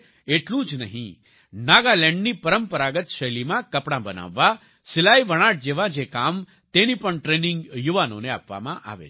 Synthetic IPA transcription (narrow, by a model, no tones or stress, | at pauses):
eʈlũd͡ʒnəɦḭ̃ | naɡalɛ̃ɳɖnipəɾəmpəɾaɡət̪ʃəjlimãkəpɽãbəna̰ʋːa | sɪlajʋəɽ̃aʈ̚d͡ʒeʋãd͡ʒekam | t̪enipəɳʈɾenɪŋɡjuʋano̰nea̰pʋa̰mã̰ʔa̰ʋḛ